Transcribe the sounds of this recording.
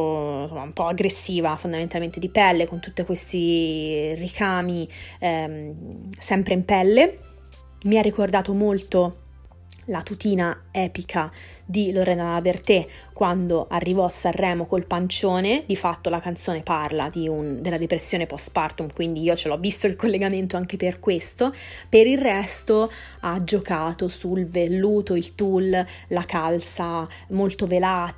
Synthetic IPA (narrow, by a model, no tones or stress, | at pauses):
omaumpɔaɡɾesːiːvafond̪ament̪alment̪ed̪ipɛlːekont̪ut̪ːekwest̪i | rikʰaːmi | sɛmpɾeimpɛlːe | miarːikord̪aːt̪omolt̪o | lat̪ut̪iːnaɛːpikʰa | d̪iloɾɛnaavert̪e | kːwand̪oʔarːivɔasːarːɛːmokolpant͡ʃoːned̪ifat̪ːolakant̪soːneparla̰d̪iund̪elːad̪epɾesːjoːnepɔst̪part̪umkwind̪iiːot͡ʃelɔvːist̪oilkolːeɡament̪oaŋk̟eperkwest̪opeɾirːɛst̪o | ad͡ʒokaːt̪osulvelːuːt̪oilt̪ullakalsa | molt̪ovelaːt